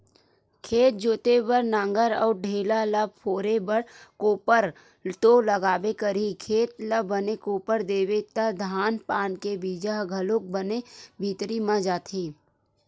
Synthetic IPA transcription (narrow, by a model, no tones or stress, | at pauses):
kʰeːt̪̚d͡ʒoːt̪ebəɾnãŋɡəɾɔ̰ːɾɖʱeːlaləb̚pʰoːɾebəɽkoːpəɾ | t̪oləɡaːbekəɾikʰeːt̪ləːənekoːpəɾd̪eːwet̪ad̪ʱaːnpaːnkebiːd͡ʒaɦɡʱɐlok̚bənebʱiːt̪ɾimãd͡ʒaːt̪ʰiː